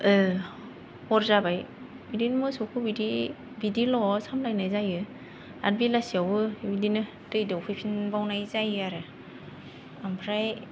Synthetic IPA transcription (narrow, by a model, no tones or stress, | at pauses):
ɯ | hɔɾzabaj | bidinmusokʰɯbidi | bidilɔsamlajnajzajɯ | a̰ɾbilasiawɯbidinɯ | tɯjdɯwpʰɯpʰinbawnajzajaɾɯ | ampʰɾaj